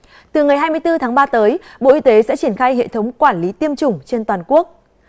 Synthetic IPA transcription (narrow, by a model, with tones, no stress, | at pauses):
t̪ɨ˨˩ŋa˨˩jɦaː˧jmɨ˧əjt̪ɨ˧t̪ʰaː˨˦ŋɓaː˧t̪əː˨˦jɓo̰˧˨ʔi˧t̪e˨˦sɛ̰˧˥t͡ɕi˧˩ənxaː˧jɦḛ˧˨t̪ʰə˨˦wŋ͡mkwaː˧˩nli˨˦t̪i˧əmt͡ɕʊ˨˩ŋ͡mt͡ɕe˧nt̪waː˨˩nku˦˥ək̚